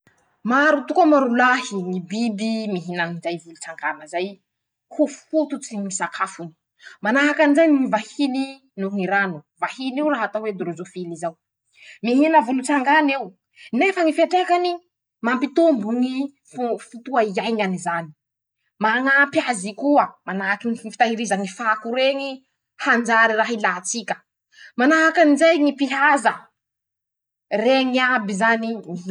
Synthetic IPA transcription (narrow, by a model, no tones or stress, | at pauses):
maɾut̪ukamaɾulahiŋibibimiɦinanid͡ʒajvulut͡saŋɡanəzaj | hufut̪ut͡simisakʰafuni̥ | manaɦakanizajŋivahini | nuɦiɾanuvahiniuwɾaɦat̪awed̪ɾozofilizaw | miɦinəvulut͡saŋɡanew | nefəŋifeʈ͡ʂekani | mampit̪umbuŋi | ffut̪uaiajŋanizani̥ | maŋampiazikuəmanaakiŋiifi̥t̪aɦiɾizaŋifakuɾeŋi | hand͡ʒaɾiraɦilaːt͡sikʲə̥ | manaakanizajŋipiɦazə | reŋiabizanii